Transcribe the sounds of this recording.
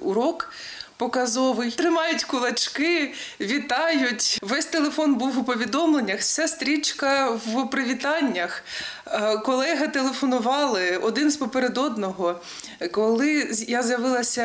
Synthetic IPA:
ʊɾɔk | pɔkɐzɔʋɪjt̪ɾɪmɑjʊtʲkʊlˠɐt͡ʃkɪʋʲit̪ɑjʊtʲʋɛsʲt̪elˠefɔnbuwʊpɔʋʲid̪ɔmlˠenʲːɐxsʲast̪ɾʲit͡ʃkɐʋpɾɪʋʲit̪ɑnʲːɐx | kɔlˠɛɦɐt̪elˠefɔnʊʋɑlˠɪɔd̪ɪnspɔpeɾed̪ɔd̪nɔɦɔ | kɔlˠɪjazʲjɐʋɪlˠɐsʲɐ

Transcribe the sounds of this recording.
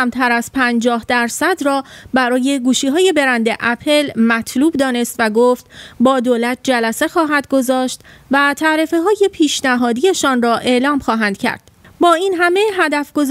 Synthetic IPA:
mt̪ʰæɾæz̥pʰænd͡ʒɒːhd̪æɾsæd̪rɒːbæɾɒːje̞ɡuːʃiːɦɒːje̞be̞ɾænd̪e̞ʔæpʰe̞lmæt̪ʰluːbd̪ɒːne̞st̪væɡoːft̪bɒːd̪oːlæt̪̚ʰd͡ʒælæse̞xɒːɦæd̪̚ɡo̞zɒːʃt̪væt̪ʰæʔɾefeɦɒːje̞pʰiːʃnæɦɒːd̪ije̞ʃɒːnrɒːʔe̞ʔlɒːmxɒːɦænd̪̥cʰæ̰ɾd̪̥ | bɒːinɦæme̞ɦæd̪æfɡ̥o̞z

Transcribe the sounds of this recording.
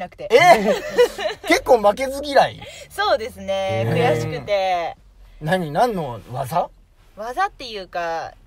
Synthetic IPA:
nakɯ̟t̪ee | ke̞kːo̞ːmake̞zɨɡʲiɾaḭso̞ːd̪e̞sɨne̞kɯ̟jaɕi̥kɯ̟t̪e̞ | naɲ̟inãnːo̞βaza | βazat̪ːe̞jɯ̟ːka

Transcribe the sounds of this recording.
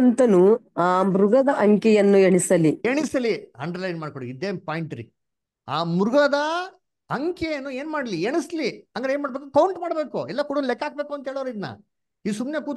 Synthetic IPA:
nt̪ɐnuaːmɾuɡɐd̪ɐʔɐŋkɛjɐnːueɳisɐlieɳisɐliɐ̰ɳɖɐɾlɐjnmaːɖ̚koɽiid̪eːpaːjiɳʈɐɾḭ | a̰ːmɾuɡɐd̪ɐ | ɐŋkejɐnːue̞ːnmaːɽɐlieɳisliɐŋɡɐɾeːnmaːɽbek̪kɐwuɳʈmaːɽbe̞ːkuɛlːɐkuɽunlɛkːaːɡ̚beːkuɐnt̪ɐeːɭoːɐɾid̪nɐ̰ | id̪sumnekuːt̪

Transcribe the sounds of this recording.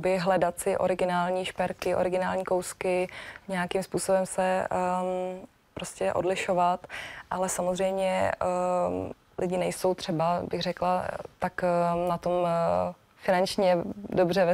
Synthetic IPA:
bɪɦlɛdat̪sɪʔo̞̰ɾɪɡɪnaːlɲiːʃpɛɾkɪʔo̞̰ɾɪɡɪnaːlɲiːkowskɪɲɛakɪmspuːso̞bɛmsɛ | pɾoscɛʔo̞̰dlɪʃo̞vat̪ʔalɛsamozrɛjmɲɛ | lʔɪɟɪnɛjsowt̪r̝̥ɛbabɪɣrɛklat̪aknat̪o̞m | fɪnant͡ʃɲɛdobr̝ɛvɛ

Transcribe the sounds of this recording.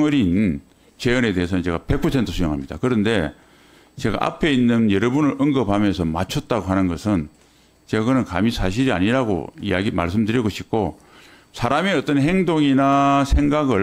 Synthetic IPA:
ŋɯɾinːn | t͡ɕe̞ʌne̞de̞ɦes̬ʰʌnɯnt͡ɕe̞ɡape̞k̚pʰʌsʰentʰɯsʰujoŋɦamɲid̥a̰kɯɾʌnde̞ | t͡ɕe̞ɡa̰ʔa̰pʰe̞inːɯnjʌɾʌbunɯɾʌŋɡʌpʰamjʌns̬ʰʌmat͡ɕʰʌt̚t͈aɡoɦhanɯnɡʌsʰɯn | t͡ɕeɡɯnɯnkamisʰaɕ̬ʰiɾia̰ɲiɾaɡo̰ḭjaɡima̰ɭs̬͈ɯmdɯɾjiɡoɕʰip̚k͈o | sʰaɾamiʌt͈ʌnɦe̞ŋdoŋinasʰe̞ŋɡaɡɯ

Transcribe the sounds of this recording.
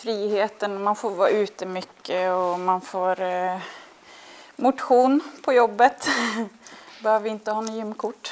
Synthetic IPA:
fɾiːheːt̪ənɔmanfoːɾvɑ̰ːʉ̟ːt̪əmʏkːəɔmanfoːɾ | mʊt̪ɧuːnpʰɔjɔbːət̪ | bɛhøːvəɾɪnt̪əhɑːnjʏmːkʰʊʈː

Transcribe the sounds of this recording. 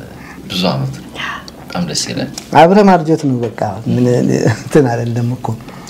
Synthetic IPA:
bɨzua̰mət̪ | bət̪ʼamd̪əsḛlə̰naβɾəmaɾd͡ʒot̪nəwbəkʼːamɨnt̪ʰɨnad̪əlːəmːɨkʰːun

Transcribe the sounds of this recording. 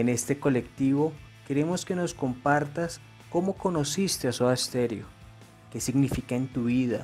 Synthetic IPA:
ene̞st̪e̞ko̞le̞kt̪iβo̞ke̞ɾe̞mo̞ske̞no̞sko̞mpaɾt̪as | ko̞mo̞ko̞no̞sist̪easoaest̪e̞ɾjo̰ | ke̞siɡnifikaent̪uβiða

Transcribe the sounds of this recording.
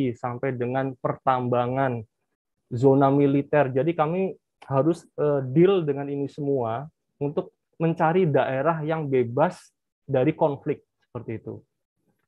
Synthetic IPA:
isampajdəŋanpərt̪ambaŋan | zonamilit̪ɛrd͡ʒadikami | haɾʊsədɪldəŋaninisəmua | unt̪ʊk̚ | məɲt͡ʃaɾidaʔeɾaɦjaŋbebas | daɾikɔnflɪk̚t̪̚sə̥pərt̪iːt̪ṵ

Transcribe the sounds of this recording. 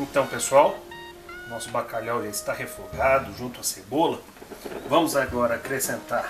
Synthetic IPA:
ẽnt̪ɐ̃w̃pesuaw | nɔsʊbakaʎawʒaɪst̪ahefokad̪ʊʒũt̪ʊasebolɐ | vɐ̃mʊzaɡɔɾɐakɾesẽnt̪aɾ

